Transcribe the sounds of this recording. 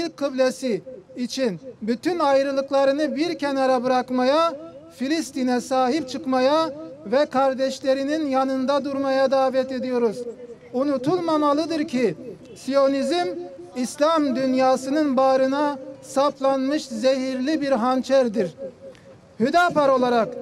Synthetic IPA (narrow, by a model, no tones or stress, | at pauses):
ilʲkkʰːɯblʲesiːt͡ʃʰinbyt̪ynajɾɯlˠɯklˠaɾɯnɯbiɾcʰenaɾabɯɾakmajafilʲist̪inɛsaːɦip̚t͡ʃʰɯkmajavɛkʰaɾd̪ɛʃlʲe̞ɾininjanɯnd̪ad̪uɾmajad̪aːvɛt̪e̞d̪ijo̞ɾuz | unut̪ʰulˠmamalˠɯd̪ɯɾcʰi | sijo̞nizimislʲamd̪ynjaːsɯnɯnbaːɾɯnasaplˠanmɯʃzeɦiɾlʲibiɾɦant͡ʃʰæɾd̪iɾ | hyd̪apaɾo̞lˠaɾak